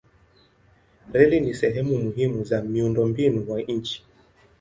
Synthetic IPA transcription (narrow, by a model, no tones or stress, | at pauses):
ɾɛlinisɛɦɛmumuɦimuzamiundɔmbinuwaɲ̩t͡ʃi̥